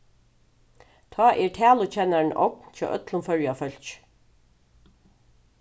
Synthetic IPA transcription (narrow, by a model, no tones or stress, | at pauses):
t̪ʰɑːʔɛɹʈʰæːlʊt͡ɕʰɛːnaɹnʔɔ̰knt͡ʃʰɔ̰ːʔœ̰t̪lʊnfœɹjafœl̥t͡ʃ